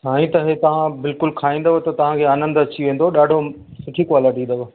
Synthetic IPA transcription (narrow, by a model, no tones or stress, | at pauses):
ɦaːĩt̪ɐɦet̪ɐʋ̤ãbɪlkʊlkʰaːĩːnd̪əʋot̪ɐt̪ɐʋ̤ãkʰeaːnə̃nd̪ɐt͡ɕiʋẽːnd̪oɗaːɖʱo | sʊʈʰikwaːləʈĩnd̪əʋo